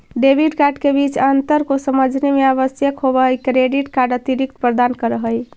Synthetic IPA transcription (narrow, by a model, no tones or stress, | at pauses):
ɖebʱiɖkaɾɖkebit͡ʃant̪əɾkosəməd͡ʒʱnemeaβəsjəkɦobəɦəjkɾeɖiʈkaɾɖət̪iɾik̚t̪pɾəd̪ankəɾəɦəj